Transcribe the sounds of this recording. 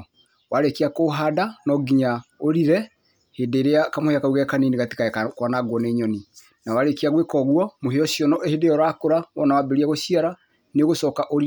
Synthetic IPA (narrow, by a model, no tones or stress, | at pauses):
wʔaɾekiakoɦadanɔɡiɲaoɾiɾɛ | hedeɾeakamoheakauɣɛkaniniɣati̥kakwanaɡwɔneɲɔni | nawaɾekiaɣwekɔɣwɔmoɦeɔʃjɔnɔʔehedejɔɾakoɾaβɔnawabeɾiaɣoʃiaɾa | neɣosɔkaʔoɾi